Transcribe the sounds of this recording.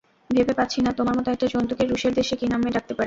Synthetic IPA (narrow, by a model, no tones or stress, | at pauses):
bʱebepatːɕʰinat̪omaɾmɔt̪oɛk̚ʈad͡ʑɔnt̪okeɾuʃeɾd̪eʃekinameɾak̚t̪epaɾe